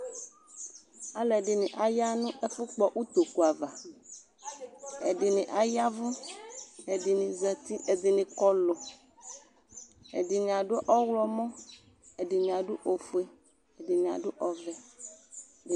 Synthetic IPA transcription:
a˦lɛ˨ɖi˨nĩ˨ʔa˨ja˦nũ˦ʔe˦fu˦k͡pɔ˨ʔu˦t̪o˨ku˨a˨va˨ | e˨ɖi˨nĩ˨ʔa˨ja˦vu˦ | e˨di˨nĩ˨zɛ˨t̪i˦e˨d̪i˨nĩ˨kɔ˦lo˨ | ḛ˨ɖi˨ɲã˨ɖo˦ʔɔ˦wlɔ˦mɔ̃˦ | e˨ɖi˨ɲã˨ɖu˦ʔo˨fu˦e˨ | e˨ɖi˨ɲã̰˨ɖʊ˦ʔɔ˨vɛ˨

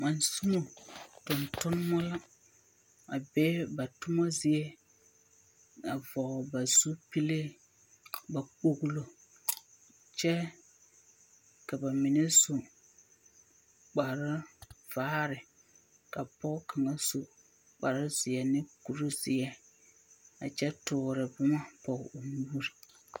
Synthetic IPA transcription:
ma˨nsu˦mo˨tʊ˨ntʊ˦n˦mɔ˦la˦ | a̰˨bɛː˦ba˨tʊ˦ma˦zɪ˨ɛ˦ | na˨vɔ˨ba˨zu˦pi˦le˦ | ba˨k͡po˨ɣlo˨ | t͡ʃɛ˦ | ka˨ba˨mɪ˨ne˦so˨ | k͡pa˨ɾa˦v̥aː˦ɾɪ˨ | ka˨pɔ˦kʰa˨ŋa˦so˨ | k͡pa˨ɾa˦zɪ˨ɛ˨nɪ˦ku˨ɾo˦zɪ˨ɛ˦ | a̰˨t͡ʃɛ˦tʊ˨ɾɪ˨bʊ˦ma˦pɔ˨ʊ˨muː˦ɾi˨

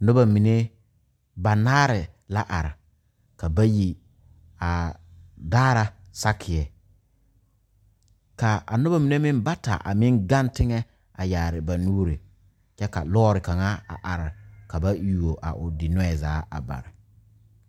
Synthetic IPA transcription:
nʊ˦ba˨mi˨ne˦ | ba˨naː˦ɾɪ˨la˦ʔa˨ɾɪ˨ | ka˨ba˦ji˨ | a˨daː˦ɾa˨sa˦kʰɪ˨ɛ˨ | ka˨a̰˨nʊ˦ba˦mi˨ne˦mɪ˦mba˦ta̰˨ʔa̰˨mɪ˦ŋɡa˦ntɪ˦ŋɛ˦ | a˨jaː˨ɾɪ˨ba˨nuː˦ɾɪ˨ | t͡ʃɛ˦ka˨lɔː˦ɾɪ˨ka˨ŋa˦a̰˨ʔa˨ɾɪ˨ka˨ba˦ju˨o˨ʔa̰˨ʔʊ˨dɪ˨nʊ˦ɛ˨zaː˨˦a̰˨ba̰˨ɾɪ˨

